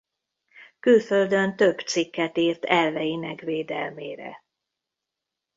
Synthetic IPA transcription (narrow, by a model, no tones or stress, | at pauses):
kylfø̞ld̪ønt̪ø̞bt̪sikːɛt̪iːrt̪ɛlvɛjinɛkʋeːd̪ɛlmeːɾɛ̰